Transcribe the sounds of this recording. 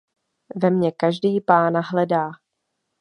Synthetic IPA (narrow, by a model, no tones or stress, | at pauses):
vɛmɲɛkaʒdiːpaːnaɦlɛdaː